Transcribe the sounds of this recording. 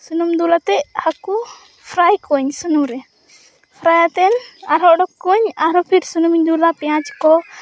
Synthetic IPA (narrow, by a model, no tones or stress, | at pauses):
sunumd̪ulat̪ɛc̚haku | pʰɾajkɔɲsunumɾɛ | pʰɾajat̪ɛnaɾɦɔʔɖɔkːɔɲaɾɔpʰiɾsunumɲd̪ulapɛjãt͡ʃkɔ